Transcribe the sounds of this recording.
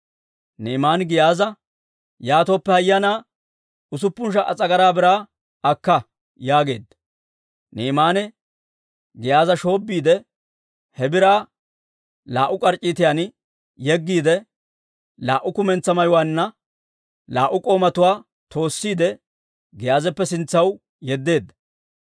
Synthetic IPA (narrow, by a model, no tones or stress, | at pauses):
neːmaːnɡɪjaːzɐ | jaːt̪oːpːɛhɐjːɐnaː | ʊs̬ʊpːʊnʃ̬ɐʔɐt͡sʼɐɡɐɾaːbɪɾaː | ɐkːɐ | jaːɡe̞̰ːd̪ːɐ̥ | neːmaːnɛ | ɡɪjaːzɐʃo̞ːbːiːd̪ɛ | hɛbɪɾaː | laːʔʊkʼɐɾt͡ʃʼːiːt̪ɪjaːn | jɛɡːiːd̪ɛ | laːʔʊkʊmɛnt͡sːɐmɐjʊwaːnːɐ | laːʔʊkʼo̞ːmɐt̪ʊwaː | t̪ʰo̞ːsːiːd̪ɛ | ɡɛjaːzɛpːɛsɪnt͡sːɐw | jɛd̪ːe̞ːd̪ːɐ̥